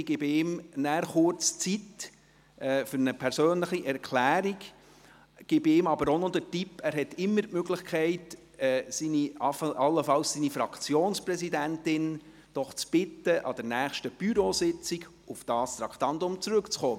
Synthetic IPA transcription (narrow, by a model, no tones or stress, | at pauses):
ɡ̥ɪbɪmnæːɾχʊɾt͡st͡sit | ɛːfʏɾnəpʰɛɾsøːnləχiʔɛrkʰlæːɾiɡ | ɡ̥ɪbɪmɑbəɾɔnɔd̪ətipːæːɾɦɛtɪmːəɾtmøɡlɪχkʰɛɪt | ɛːsiniɑfʔɑlːəfɑlsːiːnifɾɑkʰt͡sjoːnspɾɛsidæntɪn | d̥ɔχt͡sb̥ɪtːəʔɑ̰d̥̪ɛɾnæːχʃtəb̥yɾosɪt͡siɡ | ufd̥ɑːst̪ɾɑkʰt̪ɑnd̪ʊmt͡sɾɵkt͡sχoː